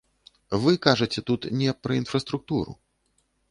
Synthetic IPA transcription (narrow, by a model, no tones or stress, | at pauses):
vɨkaʐɐt͡sʲɛt̪ut̪nʲɛpɾɐinfɾɐst̪ɾuk̚t̪uɾṵ